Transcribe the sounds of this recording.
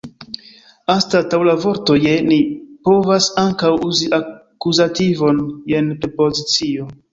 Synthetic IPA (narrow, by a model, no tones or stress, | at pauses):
astatawlavo̞ɾto̞je̞nipo̞vasaŋkawuziʔakuzativo̞njenpɾepo̞zit͡sio